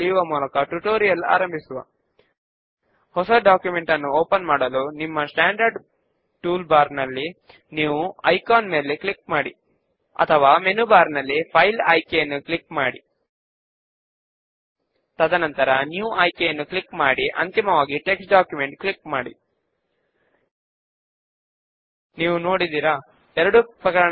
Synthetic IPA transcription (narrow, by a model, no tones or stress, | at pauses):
ijuʋɐmuːlɐkɐʈuʈoːɾijɐla̰ːɾɐmbʱisuʋɐ̰ | hɔsɐɖaːkjume̞ɳʈɐnːuoːpɐnmaːɽɐlunimːɐsʈaːɳɖɐɾɖ | ʈuːlbaːɾnɐlːi | niːʋuɐjkaːnme̞ːleklik̚maːɽḭ | ɐ̰t̪ʰɐʋaːmenubaːɾnɐlːipʰɐjlɐjkejɐnːuklikmaːɽi | t̪ɐd̪ɐnɐnt̪ɐɾɐnjuːʔɐːjkejɐnːuklikmaːɽiʔɐ̰nt̪imɐʋaːɡiʈe̞ksʈɖaːkjume̞ɳʈklikmaːɽḭ | niːʋuno̞ːɽid̪iːɾɐ | ɛɾɐɽupɾɐkɐɾɐɳ